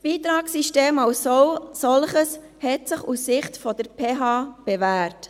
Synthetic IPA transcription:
sb̥iːt̪ɾɑːksiʃteːmaʊsosɔlχəs | hɛtsɪχusːɪχtfɔd̥̪əɾpʰeːɦɑːb̥evæːɾt

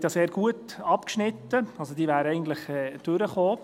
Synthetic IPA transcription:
tjɑːseːɾɡ̥uət | ɑpkʃnɪt̪ːəɑlsod̥̪iːʋæːɾəɛɪɡn̩t̪ləχɛːd̥øɾəχoː

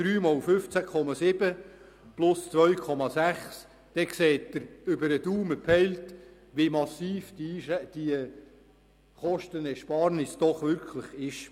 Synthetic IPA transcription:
d̥ɾyːmɔlfʏft͡sækʰɔmɑsɪb̥ə | plʊst͡sʋœɥkʰɔmɑsæχs | d̥ɛkseːtdəɾʏbəɾəduːməpʰɛɪlt | ʋimɑsiːfd̥iʃd̥iə | χɔʃtənɛʃpɑːɾnɪsd̥ɔχʋʏɾkʰləχɪʃ

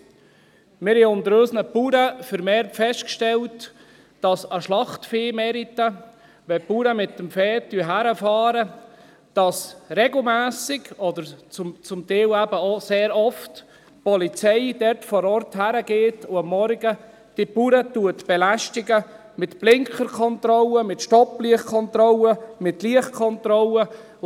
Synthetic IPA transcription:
mɪɾhɛʊnd̪əɾøsnəpuɾəfəɾmɛːɾtfɛʃtkʃtɛlt | d̥ɑsəʃlɑχtfeːmɛɾitə | ʋɛpuɾəmɪt̪ːəmfɛːt̚dyəɦæɾəfɑːɾə | d̥ɑsrɛɡl̩mæːsɪɡɔd̪əɾt͡sʊmt͡sʊmt̪ɛːlæbəoseːɾɔft | pɔlit͡sɛɪd̥ɛɾtfɔɾɔrthæɾəɡeːtʊɑmːɔɾɡə | d̥ipuɾətuətb̥ɛlæʃtɪɡə | mɪtb̥lɪŋkχəɾkʰɔnt̪ɾɔləmɪtʃtɔpliəχkʰɔnt̪ɾɔləmɪtliəχkʰɔnt̪ɾɔlə

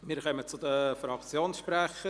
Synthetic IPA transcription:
miːɾkœmət͡sʊdəfɾɑkt͡sjoːnsʃprɛχə

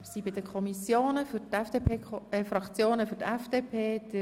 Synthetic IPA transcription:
sibɪdəkʰɔmisjoːnəfytfd̥epʰeɛfɾɑkt͡sjoːnəfyɾtɛfd̥epʰeːd̥ə

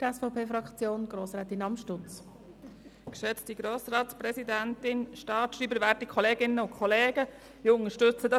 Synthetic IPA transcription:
d̥ɛsfɔpʰeːfɾɑkt͡sjoːnɡ̥ɾoːsɾɛːt̪ɪnɑmʃtʊt͡s | kʃɛt͡stiɡɾoːsɾɑːtspɾɛsidæntɪnʃtɑːtʃriːbəvæɾtikʰɔleːɡɪnəʊnkʰɔleːɡə | ɪʊŋəʃtʏt͡sədɑ

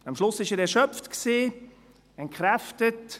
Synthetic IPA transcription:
ɑmʃlʊsɪʃɛːɾɛɾʃœpftksiː | ɛntkχɾæftət

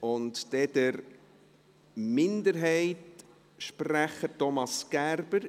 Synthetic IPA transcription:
ʊntd̥ɛdəɾ | mɪndəɾɦɛɪt | ʃpræχətɔmɑsɡ̥æɾbəɾ

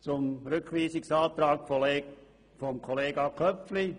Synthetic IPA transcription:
t͡sʊmɾʏkχʋiːsɪksɑːt̪ɾaːkf | fɔmkʰoleːɡɑkʰœfli

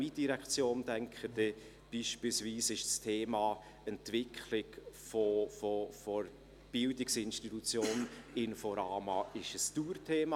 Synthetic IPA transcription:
id̥iɾɛkt͡sjoːndɛŋkχəd̥ɛ | b̥iːʃpilsviːsɪʃstʰeːmɑː | ɛntvɪkʰχlɪkfofofɔɾ | b̥ɪldɪksɪnʃtitut͡sjoːnɪnfɔɾɑːmɑʔɪʃəstuːrtʰeːmɑ

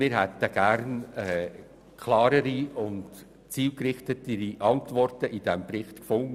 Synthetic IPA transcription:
mɪːɾɦɛt̪əɡ̥æɾnɛː | kʰlɑːɾəɾiʊnt | t͡siːlkɾɪχt̪ətəɾiʔɑntʋɔrtəʔɪd̥ɛmbɾɪχt̪kfʊŋə

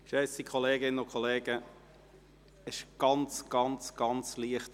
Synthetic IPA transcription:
ʃɛsikʰχɔleːɡɪnənʊkʰɔleːɡə | ɪʃɡ̥ɑnt͡sɡ̥ɑnt͡sɡ̥ɑnt͡sliəχt

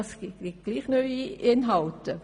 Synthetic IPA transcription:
sɡ̥iit̚ɡ̥liːχnœʏiɪnɦɑltə

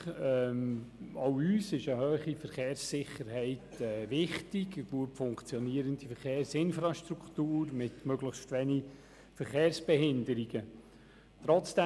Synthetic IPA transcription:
ɛ | oʊyːsɪʃəhœːχifəɾχeːɾsːɪχəɾɦɛɪtɛːʋɪχtiɡəɡ̥luəpfʊŋkt͡sjɔniəɾəndifəɾχeːrsɪnfɾɑʃtɾuktuːrmɪtmøɡləχstʋɛni | fəɾχeːrsb̥ɛɦɪndəɾiɡ̥ə | tɾɔt͡sd̥ɛ

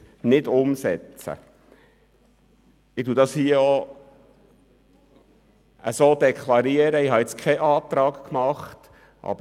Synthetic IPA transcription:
nɪdʊmsɛt͡sə̰ | ɪ̥t̪uːdɑshiəo | əsoːd̥̪ɛkʰlɑɾiəɾəɪɦɑɛt͡skʰɛʔɑːt̪ɾɑːkkmɑχt | ʔɑ̰b

